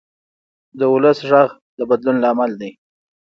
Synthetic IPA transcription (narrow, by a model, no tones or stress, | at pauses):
d̪əʊləsʒɑɣ | d̪əbad̪lunlɑːmald̪ej